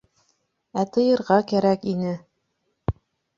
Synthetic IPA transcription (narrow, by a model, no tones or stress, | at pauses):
æt̪ɤ̆jɤ̆ɾʁɑkæɾækinɘ